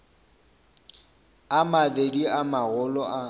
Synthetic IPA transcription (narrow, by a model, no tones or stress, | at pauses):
amadediamaɣʊlɔʔa